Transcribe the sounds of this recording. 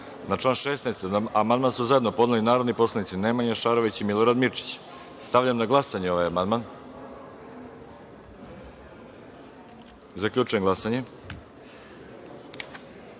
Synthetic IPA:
naʈ͡ʂlˠaːnʃesnaest̪oamand̪maːnsuzaje̞d̪no̞po̞d̪nalinaːɾo̞d̪nipo̞slˠanit̪sinemaɲaʃaɾoʋit͡ɕimilˠo̞ɾaːd̪miɾt͡ʃi̥t͡ɕ | st̪aʋʎamnaɡlˠasaɲeo̞ʋajamand̪man | zakʎut͡ʃujemɡlˠasaɲe̞

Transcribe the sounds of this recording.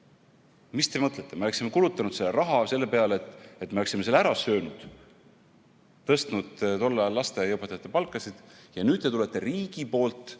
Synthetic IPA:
mist̪e̞mɤt̪let̪ːe̞me̞eksime̞kulut̪ːˑɑnud̪selːeɾɑɦɑse̞lːe̞pe̞ɑlet̪ːˑet̪meo̞lesimːese̞lːæɾɑsø̞ːnud̪̥ | t̪ːɤst̪nud̪̥t̪o̞lːelɑst̪e̞jɤpːɑt̪ːˑɑjɑt̪ːˑepɑlkːˑɑsid̪̥jɑnyːd̥̪̚t̪e̞t̪ule̞t̪ːˑe̞riːɡ̥ipo̞ːlt̪ˑ

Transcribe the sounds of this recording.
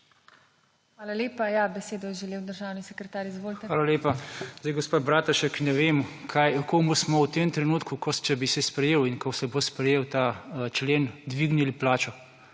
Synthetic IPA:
xʋaːlaleːpajaːbɛseːd̪ɔjɛʒɛleːwd̪əɾʒaːwnisɛkɾɛt̪aːɾizʋoːlxɛʋaːlaljeːpazajɡospaːbɾaːt̪aʃɛknɛʋeːmkʰajkoːmusmɔwt̪emt̪ɾɛnuːt̪kukɔst͡ʃɛbisɛspɾɛjeːwinkɔsɛbospɾɛjeːwt̪aːt͡ʃleːnd̪ʋiɡnilplaːt͡ʃɔ

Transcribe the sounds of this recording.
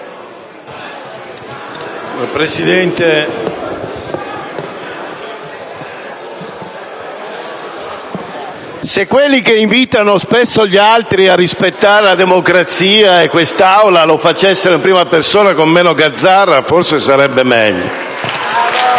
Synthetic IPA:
pɾesid̪ɛnt̪e | sekːwelːik̟eiɱviːt̪anospesːoʎialt̪ɾiarːispet̪ːaːɾelad̪emokɾat̪siːaekːwest̪awlalofat͡ʃɛsːeɾoimpɾiːmapersoːnakomːeːnoɡad̪zːarːaforsesaɾɛbːemɛ̰ʎːo̰

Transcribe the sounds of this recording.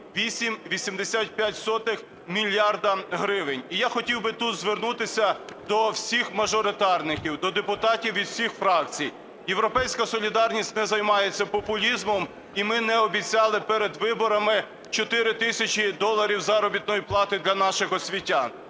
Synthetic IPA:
ʋʲisʲimʋʲisʲimd̪esʲat̪̚pʲjatʲsɔt̪ɪx | mʲilʲːɑrd̪ɐɦɾɪʋɪnʲijaxɔtʲiwbɪt̪ut̪zʋernut̪ɪsʲɐd̪ɔwsʲixmɐʒɔɾɪt̪ɑrnɪkʲiwd̪ɔd̪epʊt̪ɑtʲiwʋʲid̪w̥sʲixfɾɑk̚t͡sʲij | jewɾɔpɛjsʲkɐsɔlʲid̪ɑrnʲisʲtʲnɛzɐjmɑjet͡sʲːɐpɔpʊlʲizmɔm | imɪnɛɔbʲit͡sʲɑlˠɪpɛɾed̪ʋɪbɔɾɐmɪ | t͡ʃɔt̪ɪɾɪt̪ɪsʲɐt͡ʃid̪ɔlˠɐɾʲiwzɐɾɔbʲit̪̚nɔjiplˠɑt̪ɪd̪lʲɐnɑʃɪɣɔsʲʋʲitʲːan

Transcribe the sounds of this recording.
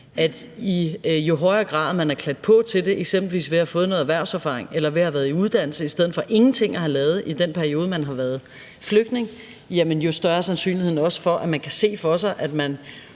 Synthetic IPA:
æd̥ijo̝ɦɒɪɐːɡ̥ʁɑ̰̈ːð̞ˠmænæɐkʰlæd̥̚pʰɔ̽t͡sʰe̝ld̥e̝ʔeɡ̥sem̰b̥l̩ʋḭːsʋe̝hæfɔ̽ːð̩ˠnɔ̽ð̩ˠæʋæɐ̰ʊ̰sæɐfɑ̰̈ːʁeŋelɐʋe̝hæʋæːɐðˠiuð̞ˠd̥æn̰l̩səisd̥eð̞̰̩ˠfɒ̽ʔe̝ŋn̩t͡sʰe̝ŋ̰ɑhɑ̈lɛːʊð̞̩ˠʔid̥enpʰæɐio̝ːð̞̩ˠəmænɦɑ̈ʋæɐð̞̩ˠ | fløɡ̥̚d̥ne̝ŋ | jæmənjo̝sd̥ɶɐsænsy̰ːnlihe̝ðˠn̩ɒ̽sə̥fɒ̽ʔæmænkʰæse̝̰ːfɒ̽sɑ̈ɪʔæd̥mæn

